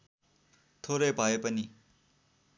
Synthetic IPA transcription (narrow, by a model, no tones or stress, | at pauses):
t̪ʰoɾʌjbʱʌepʌni